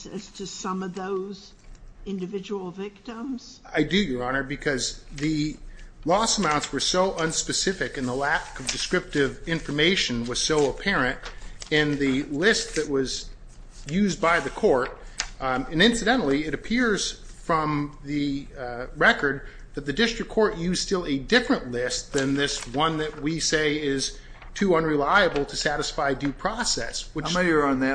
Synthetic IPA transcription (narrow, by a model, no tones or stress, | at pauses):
ɨ̰z̥tʰɨsʌ̃mʌvðoʊz | ɪ̃ndɨvɪd͡ʒəl̩ˠvɪk̚tə̃mz̥aɪdɨjə˞ɑñə˞bɨkʰʌzðɨlɔsəmãʊ̃ntswə˞soʊʔʌ̃nspɨsɪfɨkɨ̃nðəlækʌvdɨskɹɪp̚tɪvɪ̃ɱfə˞meɪʃɨ̃nwʌz̥soʊəpʰɛɹɨ̃ntɨ̃nðɨlɪst̪̚ðɨʔ̚wʌz | jʉzbaɪðɨkʰɔɹɾ | ɨ̃nɪ̃nsɨdɛ̃ñl̩ˠiɨɾɨpʰɪɹz̥fɹʌ̃mðɨ | ɹɛkə˞d̪̚ | ðɨt̪̚ðɨdɪstɹ̥ɨkʰːɔɹʔjʉz̥stɪlˠɨdɪfɹɨ̃nʔlɪst̪̚ðɨ̃nðɪswʌ̃nðɨt̚wiseɪɪz̥ | tʰʉʌ̃nɹilaɪɨbl̩ˠtʰɨsæɾɨsfaɪdʉpʰɹ̥ɑsɛ̰swɨə̃nðæ